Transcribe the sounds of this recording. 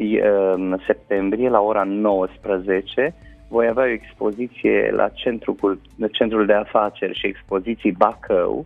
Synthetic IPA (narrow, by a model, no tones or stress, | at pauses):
jse̞p̚t̪e̞mbɾije̞lao̞ɾano̞wəspɾəze̞t͡ʃe̞ | vo̞javeao̞ekspo̞zit̪sijḛlʔa̰t͡ʃent̪ɾukul | t͡ʃe̞nt̪ɾuld̪e̞afat͡ʃe̞rʲʃie̞kspo̞zit̪sibakʰə̰w